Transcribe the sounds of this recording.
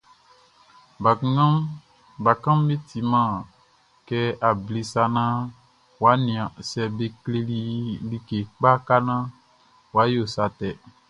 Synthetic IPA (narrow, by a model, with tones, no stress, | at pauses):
a˨˦ | ba˨kã˦m˦be˦t̪ʰi˨mã˦˨ | kɛ˦a˨bli˨sa˨nã˦ | wa˨˦nĩ˨ã˨sɛ˨be˨kle˦li˦li˦ke˨k͡pa˦ka˦nã˦ | wa˨˦jo˨sa˨t̪ɛ˨